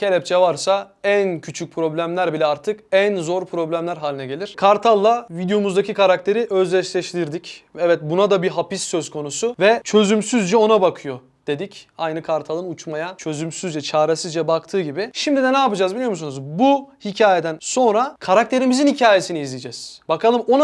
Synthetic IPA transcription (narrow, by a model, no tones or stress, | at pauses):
cʰelʲɛp̚t͡ʃʰɛvaɾsa | æncʰyt͡ʃʰyc̚pʰɾo̞blʲæmlʲæɾbilʲɛaɾt̪ʰɯkænzo̞ɾpʰɾo̞blʲæmlʲæɾɦaːlʲinɛɟe̞lʲiɾ̥kʰaɾt̪ʰalˠːavid̪jo̞muzd̪acʰikʰaɾakt̪ʰe̞ɾiʔøzlʲɛʃlʲɛʃt̪ʰiɾd̪icɛvɛt̪̚bunad̪abiɦapisːøzkʰo̞nusuvɛt͡ʃʰø̞zymsyzd͡ʒɛo̞nabakʰɯjo̞ | d̪̥e̞d̪icajnɯkʰaɾt̪ʰalˠɯnut͡ʃmajat͡ʃʰø̞zymsyzd͡ʒɛt͡ʃʰaːɾesizd͡ʒɛbakt̪ʰɯːɟibɪʃimd̪id̪ɛnɛapɯd͡ʒaːzbilʲijomusunuzbuhicʰaːjed̪ænso̞nɾakʰaɾak̚t̪ʰe̞ɾimizinhicʰaːje̞siniizlʲijd͡ʒɛːz̥bakʰalˠɯmo̞na